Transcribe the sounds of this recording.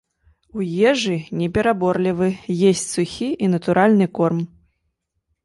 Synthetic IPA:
ujɛʐɨnʲɛpʲɛɾabɔrlʲivɨjesʲt͡sʲsuxʲiinɐt̪uɾʔalʲnɨkɔrm

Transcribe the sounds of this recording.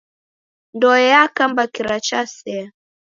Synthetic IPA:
ndɔjakambakiɾat͡ʃasɛ

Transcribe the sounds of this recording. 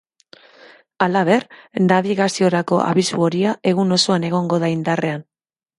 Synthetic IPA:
alaβ̞e̞rnaβiɣasio̞ɾako̞ʔa̰βisṵo̞ɾiaʔe̞ɣuno̞so̞ane̞ɣ̞o̞ŋɡo̞ðaind̪are̞an

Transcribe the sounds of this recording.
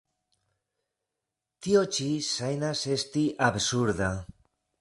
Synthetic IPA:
t̪iot͡ʃisajnasest̪iʔaβsuɾða

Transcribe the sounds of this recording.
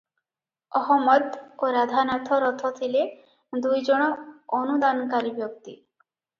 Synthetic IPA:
ɔɦɔmɔd̪oɾad̪ʱanat̪ʰɔɾɔt̪ʰɔt̪ʰile | d̪ujd͡ʒɔɽ̃ɔːnud̪ankaɾibjɔk̚t̪ḭ

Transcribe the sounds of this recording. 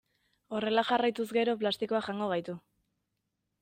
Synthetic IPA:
o̞re̞laʝarajt̪uzɡe̞ɾo̞plast̪iko̞aʝaŋɡo̞ɣ̞ajt̪u

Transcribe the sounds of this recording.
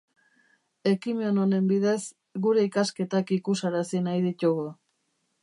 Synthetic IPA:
e̞kimeono̞ne̞mbiðe̞s | ɡuɾe̞ikaske̞t̪akikusaɾasinajðit̪uɣu

